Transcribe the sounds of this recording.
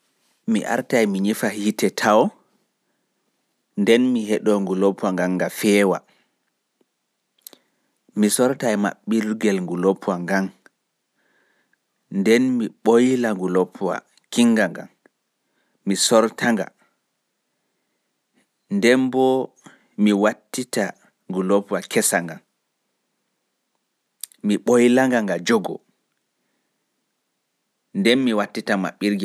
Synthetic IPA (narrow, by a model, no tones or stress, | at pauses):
mḭʔa̰ɾtajmiɲifahitɛtʰawɔ | ndɛnmiɦɛɗɔŋɡulopʰaŋɡaŋːɡafɛːwa̰ | misɔɾtajma̰ɓːilɡɛlŋɡulopʰwaŋɡam | ndɛnmiɓojlaŋɡulopʰːwa̰ | kiŋɡaŋɡa̰n | misɔɾtʰaŋɡa̰ | ndɛmbɔ | miwatːita | ŋɡulopuwakʰɛsaŋɡan | miɓojlaŋɡaŋɡad͡ʒɔɡɔ̰ | ndɛnmiwatːitama̰ɓːiɾɡɛ